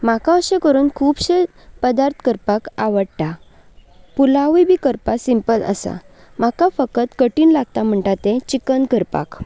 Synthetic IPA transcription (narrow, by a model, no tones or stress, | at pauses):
makãəɕekəɾuːnkʰuːbɕe | pəd̪aɾt̪ʰkəɾpakaʋəɽʈ̪a | pulaʋibʱiːkəɾpasimpələ̰sa̰ | makafəkət̪kəʈiːnlaɡ̚t̪am̤əɳʈ̪at̪ẽt͡ɕikənkəɾpa̰k